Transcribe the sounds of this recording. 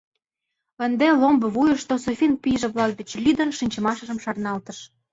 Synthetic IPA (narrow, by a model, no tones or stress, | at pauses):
ə̆nd̪elombɤ̆βujəʃt̪osofʲinpijʒĕβlɑk̚d̪et͡ɕlʲyd̪ə̆nʃinʲt͡ɕə̆mɑʃə̆ʒə̆mʃɑrnɑlt̪əʃ